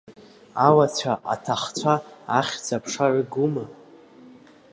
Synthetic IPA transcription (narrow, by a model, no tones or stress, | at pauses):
awat͡ɕʷʰaʔa̰tʰaχt͡sʷʰaːχʲd͡zapʰʂaʕɨɡuma